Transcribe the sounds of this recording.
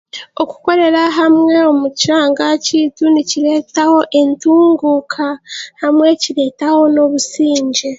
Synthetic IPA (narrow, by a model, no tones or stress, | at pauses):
o̞ku̥ko̞ɾe̞ɾaɦamŋe̞o̞muciɾaːŋɡacituniciɾe̞ːtaho̞ʔe̞ntuːŋɡukʰahamŋwe̞ciɾe̞taho̞no̞βusiːɲɟe